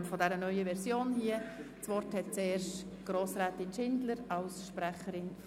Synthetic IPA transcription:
mfɔdɛɾənœʏəvɛɾsjoːnhiə | t͡svɔrthɛt̚t͡sɛːɾʃt | ɡ̥ɾoːsɾɛːtɪnʃɪndləɾɑlsʃpɾæχəɾɪn

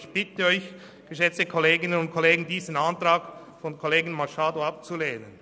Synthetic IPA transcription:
çb̥ɪtəɔʏç | ɡ̥əʃɛt͡stəkʰoleːɡɪnənʊntkʰoleːɡŋ̩diːzənantɾaːk | fɔnkʰoleːɡɪn̩maʃaːdoap̚t͡suleːnən

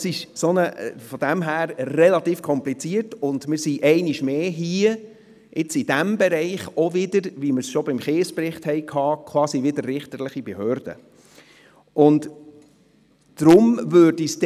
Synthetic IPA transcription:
sɪʃsonəfɔd̥æmɦæːɾrɛlɑt̪iːfkʰɔmplit͡siəɾtʊndmɪɾsiʔɛɪniʃmeːɦiə | ʔɪt͡sid̥æmbɛɾɛɪχɔʋɪdəɾʋiməɾsʃɔbɪmχeːspɾɪχthɛɪkʰɑːkʰwɑːsiʋɪdəɾːɪχtəɾlɪχibɛhøːɾd̥ə̰ | ʊnd | d̥ɾʊmvøːdist

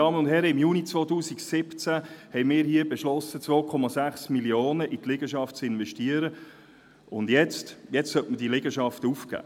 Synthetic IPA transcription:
ɑːmənʊnd̥ɦɛɾəɪmjuːnit͡svoːt̪uːsiksɪpt͡sæhɛɪmɪːɾhiːəbɛʃlɔsət͡sʋoːkʰɔmɑsæχsmiljoːnəʔit̪lɪɡəʃɑft̚t͡sɪnʋɛʃtiəɾə | ʊndjɛt͡stjɛt͡stsœltməd̥ilɪɡəʃɑft̪əufkæ̰ː

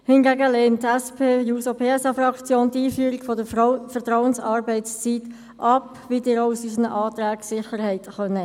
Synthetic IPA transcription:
hɪnɡæɡəleːntːɛspʰeːjuːsopʰeːɛsɑfrɑkt͡sjoːntiːfyːəɾiɡfɔdəfəɾtɾɔʊənsɑɾbɛɪt͡st͡sit | ʔɑp | ʋidɪːɾoʊsysənəʔɑːtɾæːksɪχəɾhɛɪtχœnə

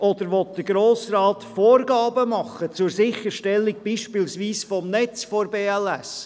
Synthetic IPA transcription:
ʔɔd̪əɾʋɔt̚d̥əɾɡɾoːsɾɑːt̪foːɾɡɑːbəmɑχət͡sʊɾsɪχəɾʃtɛlːiɡ̚b̥iːʃpilsʋiːsfɔmnɛt͡sfɔɾbeːælɛs

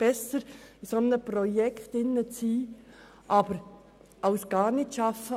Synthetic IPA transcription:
b̥ɛsəɾisɔnəprɔjɛkχt̪ɪnːət͡siː | ʔɑb̥əɾ | ɑʊsɡ̥ɑːɾnɪtʃɑfə

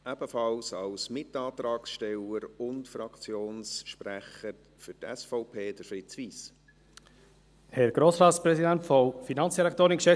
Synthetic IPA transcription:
æb̥əfɑlsɑlsmɪtɑːtɾɑːksʃtɛləɾʊntfɾɑkt͡sjoːnsʃpɾæχəɾ | fʏtɛsfɔʊpʰeːd̥əɾfɾɪt͡sʋiːs | hɛɾɡ̥ɾoːsɾɑːtspɾɛsidæntfɔfinɑnt͡ssd̥iɾɛkt̪oːɾɪnkʃɛ

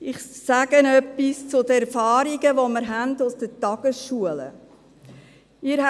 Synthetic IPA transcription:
ɪχsæɡ̥ənœpːist͡sʊdəɛɾfɑːɾiɡəʋɔməɾɦændʊsd̥ətɑɡ̥əsʃuələ̰ | ɪːɾh

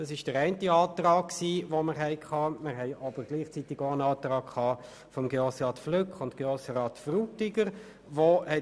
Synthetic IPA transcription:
d̥ɑsɪʃd̥əɾæɪntiɑːt̪rɑːkksiːʋoməɾɦɛɪkʰχɑːmɪʁɦɛɪʔɑb̥əɾɡ̥liːχt͡sitɪɡoənɑːt̪rɑːkkʰɑː | fɔmɡeosʁɑːtflʏkχʊntɡ̥eosəɾɑːtfrutɪɡəɾ | ʋohɛ

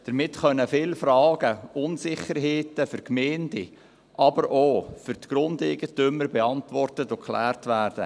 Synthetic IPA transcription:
d̥əɾmɪtχœnəfɪlfɾɑːɡəʊnsɪχəɾɦeːtəfʏɾkmɛːndi | ʔɑbəɾoːfʏɾtɡ̥ɾʊndɛɪɡətʏməɾbeɑntʋɔrtətokʰlæ̰ːrtʋæːɾd̥ə̰

